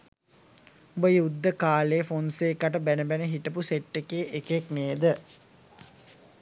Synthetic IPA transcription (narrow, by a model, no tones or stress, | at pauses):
ubəjud̪ːəkaːleːfonseːkaʈəbænəbænəɦiʈəp̬useʈːekeːʔekekmeːd̪ə